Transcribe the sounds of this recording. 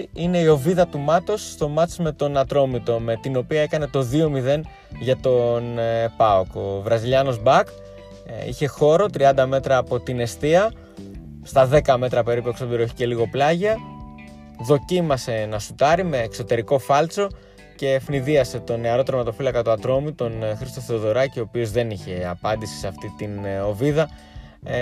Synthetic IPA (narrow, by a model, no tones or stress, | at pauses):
ine̞io̞viðɐt̪umɐt̪o̞sːt̪o̞mɐt͡sme̞t̪o̞nɐt̪ɾo̞mit̪o̞me̞t̪ino̞piɐe̞kɐne̞t̪o̞ðio̞miðe̞n | ʝɐt̪o̞npɐo̞ko̞vɾɐziʎɐno̞zbɐk | ḭçe̞xo̞ɾo̞t̪ɾiɐnd̪ɐme̞t̪ɾɐːpo̞t̪ine̞st̪iɐ | st̪ɐðe̞kɐme̞t̪ɾɐpe̞ɾipue̞ksob̪iɾoeçi̥ce̞liɣo̞plɐʝɐ | ðo̞cimɐse̞nɐsut̪ɐɾime̞ːkso̞t̪e̞ɾiko̞fɐlt͡so̞ | ce̞ːfniðiɐse̞t̪o̞neɐɾo̞t̪ɾomɐt̪o̞filɐkɐt̪uɐt̪ɾo̞mit̪o̞nxɾist̪o̞θeoðo̞ɾɐcio̞ːpio̞zðe̞niçe̞ɐpɐnd̪isi̥seɐft̪it̪ino̞viðɐ